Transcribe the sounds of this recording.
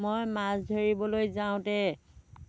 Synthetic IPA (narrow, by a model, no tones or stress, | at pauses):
mojmasdʱoɹibɔlojzaʊ̃tɛ